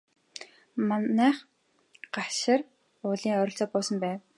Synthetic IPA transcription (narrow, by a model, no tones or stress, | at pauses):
manæːχ | ɢ̥aʃɪ̆r | ʊːɮiːŋœɾʲɪ̆ɬt͡sɔːpʊːsə̆mpæːw